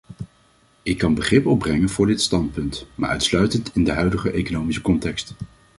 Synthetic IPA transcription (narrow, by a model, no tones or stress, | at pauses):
ɪkːɑnbəχrɪpɔb̚rɛŋənvʊːɹdɪtstɑnt̚pɵntmaːɹʔœ̰ɥtslœɥtəntɪndəɦœɥdəχəʔejkonowmisəkɔntɛkst